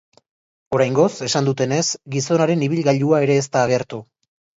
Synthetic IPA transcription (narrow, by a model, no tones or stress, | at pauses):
o̞ɾajŋɡo̞se̞sand̪ut̪e̞ne̞sɡiso̞naɾe̞niβ̞ilɣaʎuae̞ɾe̞ːst̪aːɣ̞e̞ɾt̪u